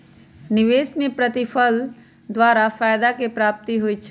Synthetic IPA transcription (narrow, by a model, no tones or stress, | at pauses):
nɪʋeːsmẽpɾət̪ɪfʰəl | d̪waːɾafaːjd̪akepɾaːp̚t̪iɦʊit͡ʃʰ